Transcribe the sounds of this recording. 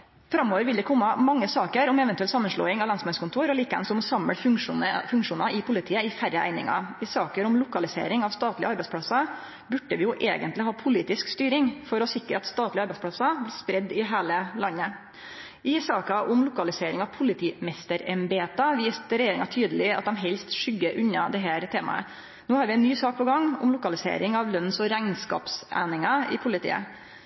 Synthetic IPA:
fɾɑmːoːʋəɾʋɪld̪ɛkʰɔmːəmɑŋːəsɑːkəɾɔmɛʋɛnt̪ʉɛlsɑmːənʂlo̰ːɪŋɑʋlɑnsmɑnskʰʊnt̪ʰuːɾɔliːkəʋɛ̰nsɔmsɑmːəɽfʂnəfʉŋkʂuːnɑɪpʰʊlɪt̪ʰiːəɪfæɾəʔæ̰ɪnɪ̰ŋɑ̰ɪsɑːkəɾʊmlʊkɑlɪsḛːɾɪŋɑʋst̪ɑːt̪lɪəɑɾbæɛɪspʰɽɑsɑ | bʉɖəʋɪjʊʔeːɡənt̪lɪɦɑːpʰʊliːt̪ɪskst̪yːɾɪŋfɔɾɔsɪkːɾəɑt̪st̪ɑːt̪lɪɑɾbæɪspʰɽɑsɑblɪːspɾɛd̪ːɪɦæːləlɑnːə | ʔɪsɑːkɑʔʊmlʊkɑlɪseːɾɪŋɑʋpʰʊlɪt̪ʰiːmɛst̪əɾɛmbeːt̪ɑʋiːst̪ɾɛjeːɾɪ̰ŋɑt̪ʰyːd̪əlɪɑt̪̚d̪ɛmɦɛlst̪ʂʏɡːəɾʔʉɲːɑd̪ɛɦæːɾt̪ʰeːmɑ̰ə̰ | noːhɑːɾʋɪɛɪnnːyːsɑːk̚pʰɔɡɑŋːʊ̰mlʊkɑlɪsḛːɾɪŋɑʋlœnːsɔɾæɪnskɑ̰ːpsæ̰ɪnɪŋɑɪ̰pʰʊlɪt̪ʰḭːə̰

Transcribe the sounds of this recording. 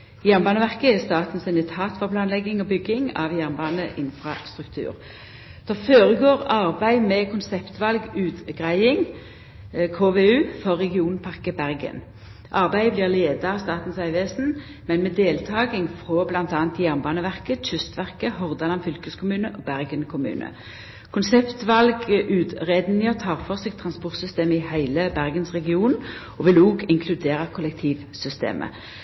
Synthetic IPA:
jæʁnbɑːnəʋæʁkəɛst̪ɑːt̪n̩sɪnd̪ɪt̪ʰɑːt̪fɑʁpʰlɑːnlɛɡɪŋɔbʏɡːɪŋɑ̰ʋjæʁnbɑːnəʔɪnfʁɑst̪ʁʉkt̪ʰʉ̰ːʁ | d̪̥ɛføːʁəɡoːʁɑʁbæɪmɛkʰʊnsɛpt̪ʋɑlɡʉːt̪ɡʁæɪɪŋ | kʰoːʋeːʉːfɔʁːɛɡɪuːnpʰɑʁkəbæʁɡə̰n | ʔɑʁbæɪblɪːʁleːd̪ɑɑst̪ɑːt̪n̩sæɪʋeːsn̩ | mɛnmeːd̪eːlt̪ʰɑːɡɪŋfʁoːblɑnt̪ɑːnt̪jæʁnbɑːnəʋæʁkəçʏst̪ʋæʁkəhɔʁd̪ɑlɑnfʏlkəskʰʊmʉːnəʔɔbæʁɡənkʰʊmʉ̰ːnʔə̰ | kʰʊnsɛpt̪ʋɑlɡʔʉːd̪ʁeːd̪nɪɔt̪ʰɑːʁfɔʁseːɡ̚t̪ʰʁɑnspɔʁt̪sʏst̪eːməɪhæɪləbæʁɡənsʁɛɡɪuːn | ɔʋɪluːɡɪŋkʰlʉd̪eːʁəkʰʊlɛk̚t̪ʰiːʋ | sʏst̪ḛːmʔə̰

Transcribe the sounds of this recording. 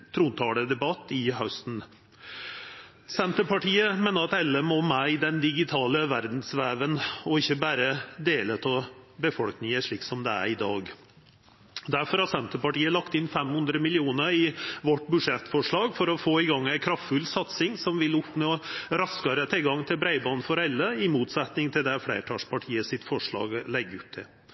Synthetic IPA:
t̪ʰɾuːnt̪ʰɑːləd̪ɛbɑt̪ːɪɦœʉst̪n̩ | sɛnt̪əpɑʈiːəmeːnəɾɑt̪ɛlːəmɔmæɪd̪ɛnd̪ɪɡɪt̪ʰɑːləʋæɾd̪n̩sʋæːʋənɔɪçːəbæːɾəd̪eːlət̪ʰɑːbəfɔlknɪŋəʂɭiːksɔmd̪ɛæ̰ɾɪd̪ɑːɡ | d̪æɾfɔɾhɑsɛnt̪əpɑʈiːəlɑkt̪ɪnfɛmhʉnd̪ɾəmɪlɪuːnəɾɪʋɔʈːbʉʂɛt̪ːfɔʂɭɑːɡfɔɾɔfoːɪɡɑŋːæɪkʰɾɑft̪fʉlsɑt̪sɪŋsɔmʋɪlʊpːnuːɾɑskɑɾət̪ʰɪlɡɑŋt̪ʰɪlbɾæɪbɑːnfɔɾɛlːəɪmuːt̪sɛt̪nɪŋt̪ʰɪld̪ɛfɽḛːʈʰɑːʂpʰɑʈʰiːəsɪt̪fɔʂɭɑ̰ːɡlɛɡːəʉpt̪ʰːɪ̰

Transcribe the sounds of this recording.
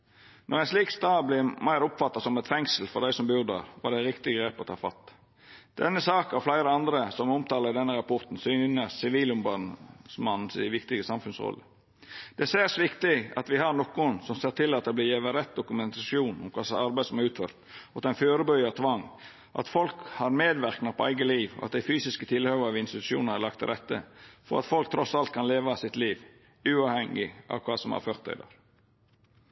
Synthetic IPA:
nɔɾæɛɪnsliːkst̪ɑːblɪmæɪɾʊpfɑt̪ːɑsɔmɛt̪fɛŋsl̩fɔɾd̪æɪsɔmbyd̪ɑ̰ɾʋɑ̰dæɪɾɪkt̪ɪɡɾeːpɔt̪ʰɑːfɑ̰t̪ː | d̪̥ɛnːəsɑːkɑflæɪɾəɑnd̪ɾəsɔmɔmt̪ʰɑːləd̪ɛnːəɾɑpʰɔɾt̪n̩syːnəsɪʋiːlʊmbɑnsmɑnn̩sɪ̰ʋɪkt̪ɪɡəsɑmfʉnsɾɔ̰lːə̰ | d̪̥ɛseːsʋɪkt̪ɪɑ̰t̪ʋɪhɑɾnɔkʊnsɔmseːɾʈ̪ʰɪlːɑt̪̚d̪ɛbliːjɛːʋəɾɛt̪̚d̪ʊkʉmɛnt̪ɑsjuːnʊ̰mkʰɑːsɑɾbæɪd̪sɔmɑɾʉːt̪fø̰ːɾt̪ɔt̪ɛnføːɾəbœʏɑt̪ʰʋɑŋː | ʔɑ̰t̪fɔlkhɑɾmeːd̪ʋæɾknɑpɔæ̰ɪɡəliːʋɔ̰ɑ̰t̪̚d̪æɪfyːsɪskət̪ʰɪlhœʋəɾʋɪnst̪ɪt̪ʉ̥ʂɪṵːnhɑɾlɑk̚t̪ʰɪɾɛt̪ːəfɔ̰ɾɑ̰t̪fɔlk̚t̪ʰɾɔsɑlt̪̚kʰɑnleːʋɑsɪt̪liːʋ | ʉːɑːʋhɛŋːɪʔɑ̰ʋkʰʋɑːsɔmæ̰ɾføɾt̪ʰæ̰ɪd̪ɑ̰ɾ

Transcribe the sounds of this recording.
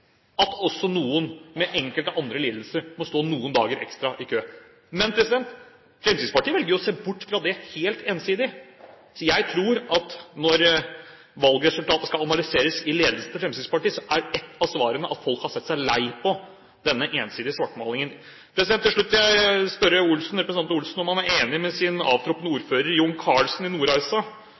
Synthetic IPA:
ɑt̪ɔsːɔnuːənmɛʔɛŋkəlt̪əʔɑnd̪ɾəliːd̪l̩səɾmɔst̪oːnuːənd̪ɑ̰ːɡəɾʔɛ̰kst̪ɾɑʔɪkʰøː | mɛnpʰɾɛsɪd̪ɛnt̪ | fɾɛmsid̪spɑʈʰiːʋɛlɡəɾjʊɔseːbʊʈːfɾɑd̪ɛheːlt̪eːnsiːd̪ɪ | sɔjæɪt̪ʰɾuːɾɑt̪nɔɾ | ʋɑlɡɾɛsʉlt̪ʰɑːt̪əskɑlɑnɑlɪseːɾəsɪleːd̪l̩sət̪ʰəfɾɛmsiːd̪spɑʈiːsɔʔæɖɛt̪ːɑsʋɑːɾənəʔɑt̪fɔlkhɑsɛt̪ːsæɪlæɪpʰɔ | d̪ɛnːəʔeːnsiːd̪ɪəsʋɑʈmɑːlɪŋən | pʰɾɛsd̪ɛnt̪ːɪʂɭʉt̪ːjæɪspœɾəʊlsn̩ɾɛpɾsəɑnt̪ʊlsn̩ɔmhɑnæɾeːnɪmɛsɪnɑ̰ːʋt̪ʰɾɔpənəuːɾføːɾəɾjʊŋːkʰɑːɭsnɪnuːɾɑsɑ

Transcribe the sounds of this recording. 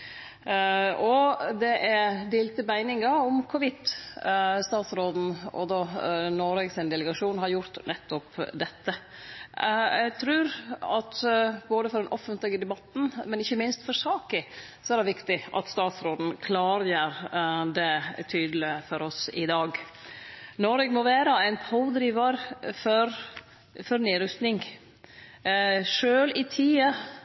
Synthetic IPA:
ɔd̪ɛʔæd̪eːlt̪əbæɪnɪŋɑʊmkʰʊʋɪt̪ː | st̪ɑːt̪sɾoːd̪n̩ɔ̰d̪oːnɔɾɛɡsæɪnd̪ɛləɡɑʂuːnɦɑɾjʊɾt̪nɛt̪ːʊpd̪ɛt̪ːə | ɛɡt̪ʰɾʉːɾɑt̪boːd̪əfɔɾd̪ɛnʔɔfənt̪lɪɡəd̪ɛbɑt̪ːn̩mɛnɪçːəmɪnst̪fɔɾsɑːkə | sɔæɾɖ̪ɛʋɪkt̪ɪʔɑ̰t̪st̪ɑːt̪sɾoːd̪n̩kʰlɑːɾjəɾd̪ɛt̪ʰyːd̪əlɪfɔɾɔsɪ̰d̪ɑːɡ | nɔɾɛɡmɔʋæːɾəæɪnpʰoːd̪ɾiːʋɑɾfɔɾ | fɔɾniːɾʉst̪nɪŋ | ʂøːlɪt̪ʰiːə

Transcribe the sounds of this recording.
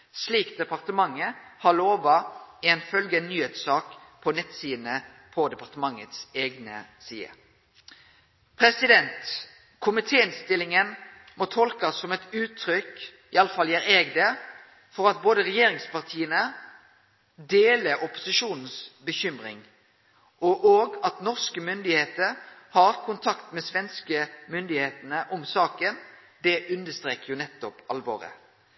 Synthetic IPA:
sliːkd̪ɛpɑʁt̪əmɑŋːəhɑloːʋɑɪɛnfœlɡənːyːheːt̪sɑːkpʰɔnɛt̪siːnə | pʰɔd̪ɛpɑʁt̪əmɑŋːət̪seːɡnə̰siːə̰ | pʰɾɛsɪd̪ɛnt̪ | kʰʊmɪt̪ʰeːɪnst̪ɪlːɪŋən | mɔt̪ʰɔlkɑsːɔmɛt̪ʉːt̪ʰːɾʏk | ɪɑləfɑljæːɾeːɡd̪ə | fɔɾɑt̪̚boːd̪əʁɛjeːɾɪŋspɑʁt̪ʰiːənə | d̪eːləɾɔpʊ̥sɪʂuːnn̩sbəçʏmʁɪ̰ŋ | ɔʔoːɡɑt̪nɔʁskəmʏnd̪ɪheːt̪əʁhɑʁkʰʊnt̪ʰɑkt̪mɛsʋɛnskəmʏnd̪ɪheːt̪ənəʔɔmsɑːkən | d̪ɛʔʉnd̪əst̪ʁeːkəjʊnɛt̪ːɔpɑlʋɔ̰ːʁə̰

